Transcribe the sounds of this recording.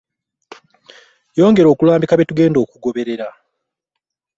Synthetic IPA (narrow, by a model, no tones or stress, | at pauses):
jo̞ːŋɡe̞ɾo̞ːkulaːmbikaβe̞tuɡe̞ːndo̞ːkuɡo̞βe̞ɾe̞ɾa